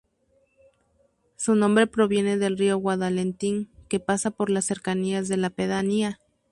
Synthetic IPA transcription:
sunõ̞mbɾe̞pɾo̞βje̞ne̞ðe̞lriowaðalent̪iŋke̞pasapo̞ɾlasːe̞ɾkaniazðe̞lapeðania

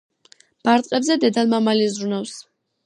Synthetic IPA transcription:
b̥aɾt̪ʼqʼɛbzɛd̪ɛd̪anmamalizɾunafs

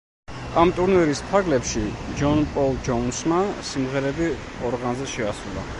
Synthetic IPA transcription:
amt̪ʼuɾnwɛɾispʰaɡlɛpʃid͡ʒɔnpʼɔlˠd͡ʒɔunsmasimʁɛɾɛbi | ɔɾʁanzɛʃɛasɾulˠa̰

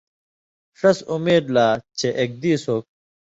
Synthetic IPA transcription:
ʂɐsumeːd̪laːt͡ɕeʔek̚d̪iːsoːk̚

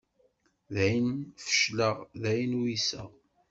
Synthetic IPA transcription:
ðæjənfə̥ʃləʁðæjənwisə̰ʁ

